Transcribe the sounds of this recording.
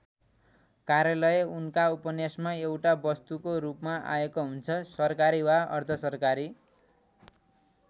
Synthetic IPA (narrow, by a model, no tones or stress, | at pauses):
kaɾjalʌjeunkaupʌnjasmaewʈabʌst̪ukoɾupmaʔa̰jekoɦunt͡sʰʌsʌrkaɾiwaʌ̰rt̪ʰʌsʌrkaɾi